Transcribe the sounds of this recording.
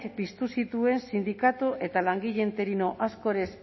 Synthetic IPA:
kpist̪usit̪ue̞nsind̪ikat̪uʔe̞t̪alaŋɡiʎe̞nt̪e̞ɾino̞ʔasko̞ɾe̞s

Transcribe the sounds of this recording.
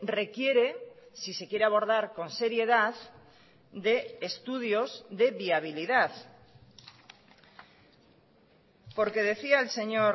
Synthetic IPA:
re̞kje̞ɾe̞sise̞kje̞ɾeaβ̞o̞ɾð̞aɾko̞nse̞ɾje̞ð̞að | d̪e̞ːst̪uð̞jo̞zðe̞βiaβ̞iliðaθ | po̞ɾke̞ð̞e̞θiaelse̞ɲoɾ

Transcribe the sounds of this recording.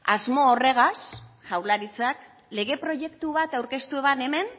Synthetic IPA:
azmo̞ːre̞ɣ̞asʝawɾlaɾit͡sak | le̞ɣ̞e̞pɾo̞ʝe̞kt̪uβat̪awɾke̞st̪ue̞βane̞me̞n

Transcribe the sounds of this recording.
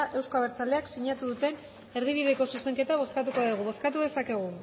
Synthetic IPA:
aʔe̞wskaβe̞ɾt͡sale̞aksiɲat̪uðut̪e̞n | e̞ɾðiβiðe̞ko̞suse̞ŋke̞t̪aβ̞o̞skat̪uko̞aðiɣ̞uβ̞o̞skat̪uðe̞sake̞ɣ̞u

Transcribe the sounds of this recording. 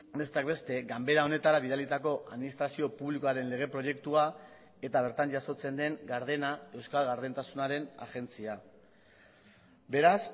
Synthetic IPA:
be̞st̪akbe̞st̪e̞ɡambe̞ɾao̞ne̞t̪aɾaβiðalit̪ako̞ʔaðminist̪ɾasio̞puβlikoaɾe̞nle̞ɣ̞e̞pɾo̞je̞kt̪ua | e̞t̪aβ̞e̞ɾt̪aɲd͡ʒaso̞t͡se̞nd̪e̞ŋɡaɾð̞e̞nae̞wskalɣaɾðent̪asunaɾe̞na̰ɣe̞nt͡sia | be̞ɾas

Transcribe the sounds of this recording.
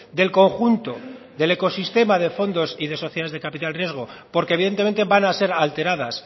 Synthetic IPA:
d̪e̞lko̞ŋxunt̪o̞ | ðe̞le̞ko̞sist̪e̞maðe̞fo̞nd̪o̞siðe̞so̞θjae̞zðe̞kapit̪alrje̞zɣ̞o̞po̞ɾkeβ̞iðent̪eẽ̞nt̪e̞βanase̞ɾalt̪e̞ɾaðas

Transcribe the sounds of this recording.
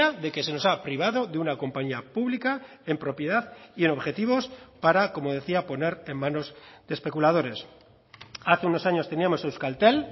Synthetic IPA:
aðe̞ke̞se̞no̞sapɾiβ̞aðo̞ðeunako̞mpaɲiapuβlika | e̞mpɾo̞pjeðaðieno̞βxe̞t̪iβ̞o̞spaɾako̞mo̞ðe̞θiapo̞ne̞ɾe̞mmãno̞zðespe̞kulað̞o̞ɾe̞s | aθe̞uno̞saɲo̞st̪e̞niamo̞sewskalt̪e̞l

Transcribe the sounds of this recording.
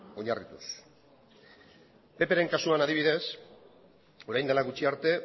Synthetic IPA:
o̞ɲarit̪us | pe̞pe̞ɾe̞ŋkasuanað̞iβ̞iðe̞s | o̞ɾajnd̪elaɣut͡ʃiaɾt̪e̞

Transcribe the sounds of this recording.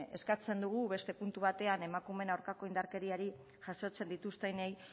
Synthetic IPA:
e̞skat͡se̞nd̪uɣ̞uβe̞st̪e̞punt̪uβat̪e̞ane̞makume̞naowɾkako̞ind̪aɾke̞ɾiaɾi | ʝaso̞t͡se̞nd̪it̪ust̪ejnej

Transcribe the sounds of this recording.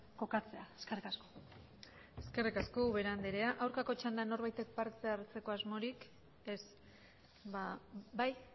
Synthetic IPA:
ko̞kat͡se̞aeskerikasko̥ | eske̞rikaskoβeɾand̪iɾeaʔawɾkako̞t͡ʃand̪ano̞ɾβajt̪e̞k̚paɾt̪e̞aɾt͡se̞ko̞azmo̞ɾik | e̞s | βabaj

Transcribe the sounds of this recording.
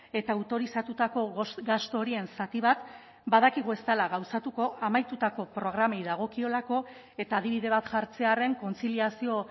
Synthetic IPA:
e̞t̪aːwt̪o̞ɾisat̪ut̪ako̞ɣast̪ooɾie̞nsat̪iβ̞at̪ | baðakiɣ̞ue̞st̪alaɣawsat̪uko̞ʔamajt̪ut̪ako̞pɾo̞ɣ̞ɾamejðaɣ̞o̞kio̞lako̞ | e̞t̪aːðiβiðe̞β̞at̪ʝaɾt͡se̞are̞ŋko̞nt͡siliasio̞

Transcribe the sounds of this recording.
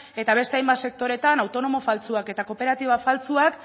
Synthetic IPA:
e̞t̪aβ̞e̞st̪e̞ajmbat̪se̞k̚t̪o̞ɾe̞t̪anawt̪o̞no̞mo̞falt͡suake̞t̪ako̞pe̞ɾat̪iβ̞afalt͡suak

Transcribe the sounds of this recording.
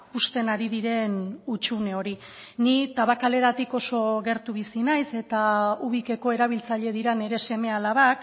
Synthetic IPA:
ust̪e̞naɾiðiɾe̞nut͡ʃune̞o̞ɾi | nit̪aβakale̞ɾat̪iko̞so̞ɣe̞ɾt̪uβisinajse̞t̪auβ̞ike̞ko̞e̞ɾaβ̞ilt͡saʎe̞ð̞iɾane̞ɾe̞se̞me̞alaβ̞ak

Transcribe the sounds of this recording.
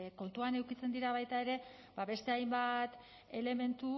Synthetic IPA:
ko̞nt̪uane̞wkit͡se̞nd̪iɾaβ̞ajt̪ae̞ɾe̞ | baβe̞st̪e̞ajmbat̪ | e̞le̞me̞nt̪u

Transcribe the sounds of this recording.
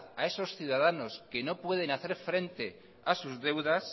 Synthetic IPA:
ae̞so̞sθjuðað̞ano̞ske̞no̞pwe̞ð̞e̞naθe̞ɾfɾe̞nt̪e̞ | asuzðe̞wðas

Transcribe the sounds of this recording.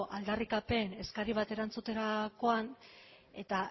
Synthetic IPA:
ʔald̪arikape̞ne̞skaɾiβ̞at̪e̞ɾant͡sut̪e̞ɾako̞an | e̞t̪a

